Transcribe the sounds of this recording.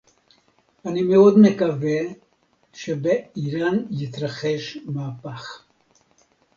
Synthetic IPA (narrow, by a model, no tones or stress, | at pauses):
animeod̪mekave | ʃebeiɾanjit̪ɾaχeʃmaːpaχ